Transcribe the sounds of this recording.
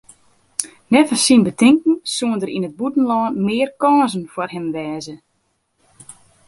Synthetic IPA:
nɛfasinbətɪŋkn̩suəndəɾinəd̚butn̩lɔːnmɪːərkɔːzn̩farɦɛmʋɛːzə

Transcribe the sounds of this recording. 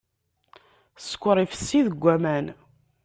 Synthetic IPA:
sə̥kʷːəɾˤifə̥sːiðəɡʷːæmæn

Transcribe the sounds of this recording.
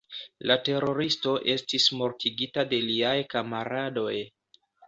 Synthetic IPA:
late̞ɾo̞ɾisto̞ʔe̞stismo̞ɾtiɡitade̞liajkamaɾado̞j

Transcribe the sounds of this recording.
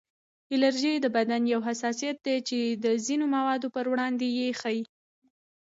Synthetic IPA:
ɪlaɾʒijd̪əbad̪anjawɦasɑsijat̪̚d̪et͡ʃed̪əzinomawɑd̪opəɾwɽɑnd̪ejexaji

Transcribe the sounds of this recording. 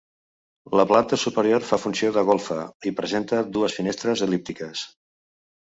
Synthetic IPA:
ləplant̪əsupəɾioɾfafunsioðəɣolˠfəipɾəzent̪əðuəsfinest̪ɾəzəlip̚t̪ikəs

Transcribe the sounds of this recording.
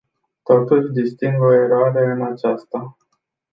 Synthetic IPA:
t̪o̞t̪uʃʲd̪ist̪iŋɡo̞e̞ɾoaɾe̞ɨnat͡ʃast̪a

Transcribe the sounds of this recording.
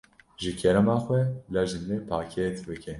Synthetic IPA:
ʒɨkʰɛɾɛmɑːxʷɛlɑʒɨndepʰaːkʰɛt̪bɨkʰʲɛ

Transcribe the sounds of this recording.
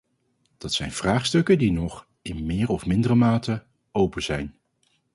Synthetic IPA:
d̥ɑtsɛ̰jnv̥raːχstɵkədinɔχ | ɪnmɪːrɔfmɪndərəmaːtə | owpəzɛjn

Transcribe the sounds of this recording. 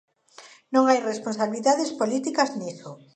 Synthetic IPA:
nõŋajresponsaβiliðaðespolit̪ikazniθo

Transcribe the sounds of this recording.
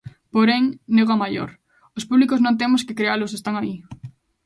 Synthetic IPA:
poɾeŋneɣamaʎo̰ɾ | ospuβlikoznõnt̪̬emoskekɾealosest̪aŋai

